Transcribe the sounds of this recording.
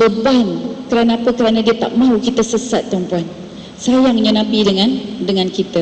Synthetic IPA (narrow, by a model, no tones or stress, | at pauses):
bəbankəɾanaapəkəɾanadiət̪a̰ʔ̚mãukit̪əsəsat̪̚ːəɔmpuan | sajaŋməɲənãpidəŋãndəŋãnkit̪a